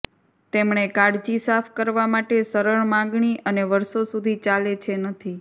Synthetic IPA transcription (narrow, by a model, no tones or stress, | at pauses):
t̪emɳekaɽd͡ʒisafʰkəɾʋamaʈesəɾəɭmãŋɡɳiʔəneʋəɾsosud̪ʱit͡ʃalet͡ʃʰenət̪ʰi